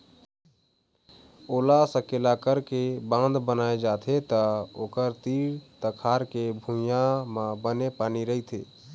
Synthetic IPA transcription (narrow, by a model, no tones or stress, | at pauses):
olasəkelakəɾkebãnd̪bənaed͡ʒat̪ʰet̪əokəɾt̪iɾt̪əkʰaɾkebʱũjamãbənepaniɾəɦit̪ʰḛ